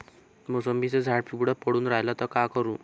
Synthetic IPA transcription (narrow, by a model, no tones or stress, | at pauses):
mosəmbit͡sed͡zʱaɽpiɡuɽapəɽuːnɾajlat̪əkakəɾuː